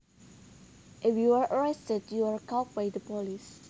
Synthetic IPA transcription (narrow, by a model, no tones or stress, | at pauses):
ʔɛfwjiwəɹʔəɹɛstədjuwəɹkak̚bajdəpɔlis